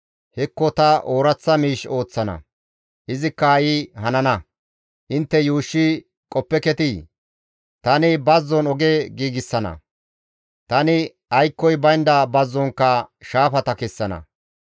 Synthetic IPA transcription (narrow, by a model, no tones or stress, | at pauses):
hɛkːɔt̪ɐʔoːɾɐt͡sːɐmiːʃo̞ːt͡sːɐnɐ̰ | ʔɪzɪkːɐɐjɪɦɐnɐnɐ | ʔɪnt̪ːɛjuːʃːɪ | kʼɔpːɛkɛt̪ɪ | t̪ɐnɪbɐzːɔnɔɡeːɡiːɡɪsːɐnɐ̰ | t̪ɐnɪ | ɐjkːɔjbɐjnd̪ɐbɐzːɔŋkːɐʃaːfɐt̪ɐkɛsːɐnɐ̰